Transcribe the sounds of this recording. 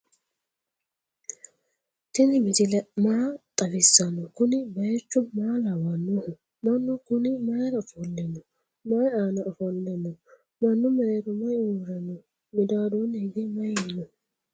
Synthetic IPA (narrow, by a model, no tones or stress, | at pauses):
t̪ɪnɪmɪd̪ɪlɛmaːt̪ʼɐfɪsːɐnːɔkʊnɪbɐjɛt͡ʃːʊmaːlawɐnːʊhʊ | mɐnːʊkʊnɪmɐjɾɐɔfɔlːɛnːɔ | mɐjaːnɐɔfɔlːɛnːɔ | mɐnːʊmɛɾeɾʊmɐjuːɾɐnːɔ | mɪd̪aːd̪uneɡ̪ɪmɐjɛnːɔ